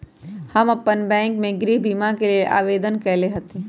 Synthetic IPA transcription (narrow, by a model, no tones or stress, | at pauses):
hɐmɐpːənbɛ̃ːŋkmẽɡɾiːbimakelieʔa̰ːʋeːd̪ənkɛɦleɦɐt̪i